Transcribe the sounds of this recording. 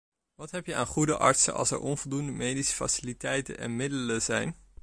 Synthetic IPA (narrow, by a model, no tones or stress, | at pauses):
ʋɑtɦɛpjəa̰ːnχudəʔɑ̰ɹtsə̰ʔɑ̰lˠsɛ̰ɹɔnvɔlˠdundəmejdisə̥fa̰sɪlitɛjtə̰nɛ̰nmɪdələzɛjn